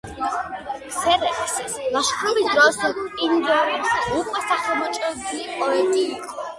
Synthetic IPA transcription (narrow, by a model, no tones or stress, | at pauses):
sɛɾɛpslaʃkʰɾɔbisd̪ɾɔsɔind̪ɔɾɛukʼwɛsaχɛmɔt͡ʃʼɛdipʼɔɛt̪ʼiːkʼɔ